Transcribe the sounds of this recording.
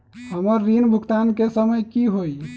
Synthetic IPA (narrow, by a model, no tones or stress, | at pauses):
həməɾːinbʱukt̪ankesəməjkiɦoj